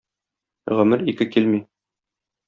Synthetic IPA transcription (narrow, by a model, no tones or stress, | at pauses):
ʁɵ̆mɘɾikɘkilmi